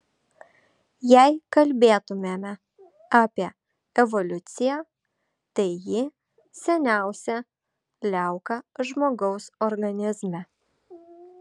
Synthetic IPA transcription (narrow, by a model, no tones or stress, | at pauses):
jæɪkɐlʲbʲeːt̪ʊmʲemʲɛ | ɑːpʲiɛ | ɛʋɔlʲʊt̪sʲɪjæ | t̪ɐɪjɪ | sʲɛnʲæˑʊsʲɛ | lʲæˑʊkɐʒmoːɡɒʊsɔɾɡɐnʲɪzmʲɛ